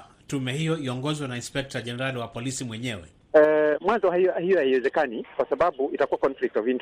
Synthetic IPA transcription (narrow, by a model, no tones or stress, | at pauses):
tumɛhijɔiɔŋɡɔzwanainspɛk̚taʄɛnɛɾaliwapɔlisimwɛɲɛwɛ̰ | ɛmwanzɔaɔhijɔhaiwɛzɛkanikwasaɓaɓuʔitakuwakɔnflik̚twavint